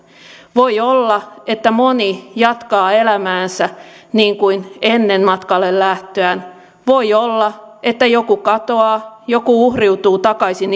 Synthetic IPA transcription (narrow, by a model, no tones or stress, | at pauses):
ʋojolːɑet̪ːæmonijɑt̪kɑːelæmæːnsæniːŋkuinenːenmɑt̪kɑlːellæht̪øæn | ʋoiolːɑʔet̪ːæjokukɑt̪oɑːjokuuhriut̪uːt̪ɑkɑisin